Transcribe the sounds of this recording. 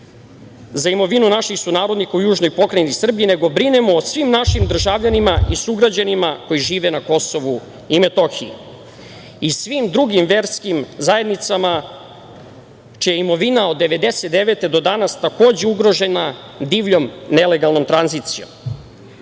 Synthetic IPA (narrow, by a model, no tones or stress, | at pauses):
zaimo̞ʋinunaʃixsunaːɾo̞d̪nikaujuːʒno̞jpo̞kɾenisr̩biine̞ɡo̞bɾinemoːsʋimnaʃimd̪r̩ʒavʎanimaisuɡɾad͡ʑanimako̞jiʒiːʋenako̞so̞ʋu | imet̪o̞xiji | isʋimd̪ɾuɡimʋeɾskimzajed̪nit̪sama | t͡ʃijeimo̞ʋinao̞d̪ːe̞ʋe̞d̪eset̪̚d̪eʋet̪e̞d̪o̞d̪anast̪ako̞ːd͡ʑeuɡɾo̞ʒe̞na | d̪iːʋʎo̞mne̞leɡalˠno̞mt̪ɾanziːt̪sijo̞̰m